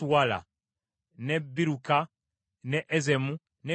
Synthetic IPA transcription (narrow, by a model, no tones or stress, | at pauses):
wala̰ | nebiɾuka | neʔezemu | ne